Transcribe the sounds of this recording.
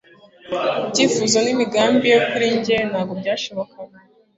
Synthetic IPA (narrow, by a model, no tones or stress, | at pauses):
ibɟiːfuzo̞nimiɡaːmbijo̞kuɾiɲɟenhaːɡobɟaːʃo̞βo̞kaɡa